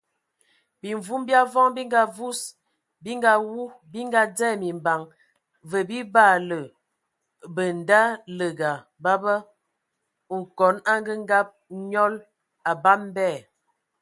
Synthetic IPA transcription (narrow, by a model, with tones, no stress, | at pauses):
bi˨ɱvu˦mbja˦vɔ˦ŋbi˦ŋɡa˨vu˦s | bi˦ŋɡa˦wu˦ | bi˦ŋɡa˦d͡zɛ˦˨mi˨mba˨ŋ | və˨bi˦ba˦˨lə˨ | bə˨n˨da˦lə˨ɡa˨ | ba˦bə˦ | u˨kɔ˨˦na˦ŋɡə˦ŋ˦ɡa˦p̚ɲɔ˦l | a˨ba˦mbɛ˦˨